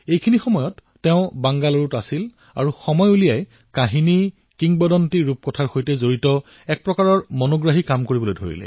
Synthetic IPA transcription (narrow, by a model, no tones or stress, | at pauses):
ejkʰinixɔmɔjɔtːɛʊ̃baŋɡaloɹutasil | a̰ɹuxɔmɔjulijaj | kaɦini | kiŋbɔdɔntiɹup̚kɔtʰaɹxojtɛzoɹitɔ | ɛk̚pɹɔkaɹɔɹmɔnoɡɹaɦikamkoɹibɔlojdʱo̰ɹḭlɛ̰